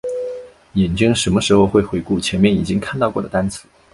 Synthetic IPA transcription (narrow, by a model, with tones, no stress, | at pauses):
jɛ˨˩nt͡ɕi˥ŋʂə˧˥nmə˧ʂɻ̩˧˥xo˧ʊxwe˥˩ɪxwe˧˥ɪku˥˩t͡ɕʰjɛ˧˥nmjɛ˥˧˩ni˨˩t͡ɕi˥ŋkʰa˥˧nt̪ɑ˥˧ʊkwɔ˥˩d̪ə˩t̪a˥nt͡sʰɹ̩˧˦